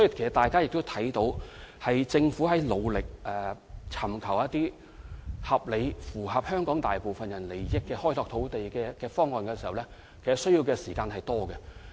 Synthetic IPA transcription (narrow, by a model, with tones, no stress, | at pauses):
sɔ˨˦˥ji˨kʰe˨˩sɐ˩t̪aː˨jkaː˥jɪ˨k̚t̪o˥t̪ʰɐ˨˥jt̪o˨˧˥whɐ˨jt͡sɪ˧ŋfuː˨˥hɐ˨˥jlo˨˧wlɪ˨k̚ʔɛː˨ | t͡sʰɐ˨˩mkʰɐ˨˩wɐ˥t̪iː˥ | hɐ˨p̚le˨˧jfuː˨˩ɦɐ˨p̚hœː˥ŋkɔː˨˥ŋt̪aː˨jpo˨wfɐ˨njɐ˨˩nle˨˩jjɪ˥kːɛː˧hɔː˥jt̪ɔː˧k̚t̪ʰo˨˥wt̪e˨jkɛː˧kɛː˧fɔː˥ŋːɔː˨nkɛː˧siː˨hɐ˨˩wlɛ˥ | kʰe˨˩sɐ˨sɵ˥jiː˧wkɛː˧siː˨˩kaː˧nhɐ˨jt̪ɔː˥ɡɛ˧